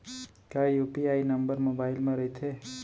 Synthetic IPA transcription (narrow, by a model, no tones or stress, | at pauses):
kaijupiainəmbəɾmobailmãɾəit̪ʰe